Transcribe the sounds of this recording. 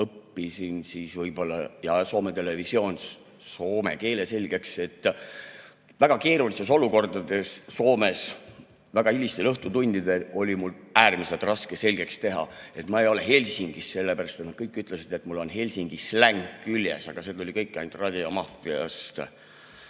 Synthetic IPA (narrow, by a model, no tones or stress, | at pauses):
ɤpːisinsiːsvɤjb̥o̞lːɑjɑso̞ːme̞t̪e̞le̞visio̞ːns | so̞ːme̞̰ke̞ːle̞se̞lʲɡ̥e̞kse̞t̪ː | væɡ̥ɑke̞ːɾuliseso̞luko̞rd̪̥ɑd̪e̞sːo̞ːme̞s | væɡ̥ɑilʲist̪e̞lɤht̪ut̪unʲd̪id̪e̞lo̞lʲimulæːrmise̞lt̪rɑskese̞lʲɡ̥e̞kst̪e̞ɦɑ̰e̞t̪mɑejo̞le̞ɦe̞lʲsiŋɡ̥isːe̞lːepæɾɑst̪et̪nɑd̪̥̚kɤjkːˑyt̪ˑle̞sid̪e̞t̪mulːo̞nɦe̞lʲsiŋɡ̥islæŋkːyljḛsɑɡ̥ɑse̞d̪t̪ulʲikɤjkːæjnt̪rɑd̪ʲiɑmɑfiɑ̰st̪